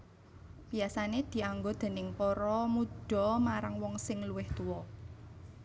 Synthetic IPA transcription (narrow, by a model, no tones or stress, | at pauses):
b̥iasaned̪̥i̤aŋɡod̪̥e̤nɪŋpɔɾɔmud̥ɔ̤maɾaŋwɔŋsɪŋluwɪht̪uwɔ